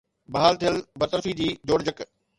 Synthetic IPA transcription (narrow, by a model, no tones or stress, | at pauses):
bɐɦaːlt̪ʰijəlbɐt̪əɾfid͡ʑiːd͡ʑoːɽd͡ʑək